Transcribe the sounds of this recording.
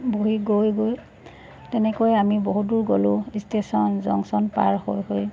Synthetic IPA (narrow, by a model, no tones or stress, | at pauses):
boɦiɡojɡoj | tɛnɛkojamiboɦut̚duɹɡolʊistesɔnzɔ̰ŋsɔnpa̰ɹhojɦoj